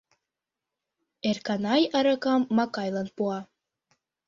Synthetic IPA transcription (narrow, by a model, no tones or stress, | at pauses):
erkɑnɑjɑɾɑkɑmːɑkɑjlˠɑnpuɑ